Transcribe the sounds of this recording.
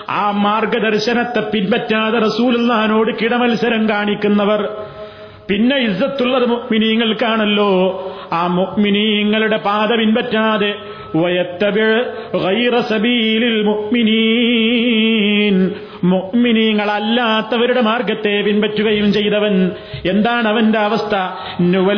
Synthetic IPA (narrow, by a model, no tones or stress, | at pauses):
aːmaːrɡɐd̪ɐrɕɐnɐt̪ːe̞pːinpɐtːaːðerɐsuːlilːaːnoːɽɨkiɽɐmɐlsɐɾɐmkaːɳikʲːunːɐʋɐr | pinːe̞izːɐt̪ːuɭːɐðɨmuʔminiːŋːɐɭkaːɳɐlːo̞ː | aːmuʔminiːŋːɐɭuɽe̞paːd̪ɐʋinpɐtːaːðe | ʋɐjɐt̪ːɐbiɻɣɐjɾɐsɐbiːlilmuʔminiː | n | muʔminiːŋːɐɭɐlːaːt̪ːɐʋɐɾuɽe̞maːrɡɐt̪ːe̞ːpinpɐtːuɣɐjumt͡ɕe̞jt̪ɐʋɐn | e̞nd̪aːɳɐʋɐnde̞ɐʋɐst̪ʰɐ | nuʋɐ